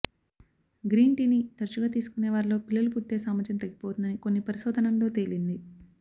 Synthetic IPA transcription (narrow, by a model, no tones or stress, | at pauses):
ɡɾiːɳʈiːnit̪ɐɾt͡ʃuɡaːt̪̬iːsu̥kuneːʋaːɾilo̞ːpilːɐlupuʈːe̞ːsaːmɐt͡ʃɐnt̪ɐɡːipo̞ːt̪und̪ɐniko̞nːipɐɾisoːd̪ʱɐnɐmlo̞ːt̪e̞lind̪i